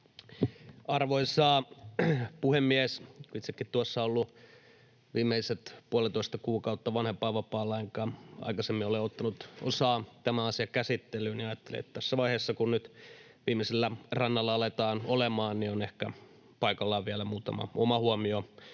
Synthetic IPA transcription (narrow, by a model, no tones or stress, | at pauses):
ɑrʋoisɑː | puhemːiæsit̪sekːit̪t̪uosːɑolːu | ʋiːmːeiset̪puolit̪oist̪ɑkuːkɑut̪ːɑʋɑnhempɑːʋɑpɑːlːɑiŋkɑːɑ̰ikɑsemːioleot̪ːɑnut̪osɑːt̪æmæɑsiɑkæsit̪ːelˑyːniɑjɑt̪ːelḭḛt̪t̪æsːæʋɑihesːɑkunnyt̪ | ʋiːmiselːærɑnːɑlːɑɑlet̪ɑːnolemɑːnnionehkæ | pɑikɑlːɑʋiælæmuːt̪ɑmɑ̰omɑhuomio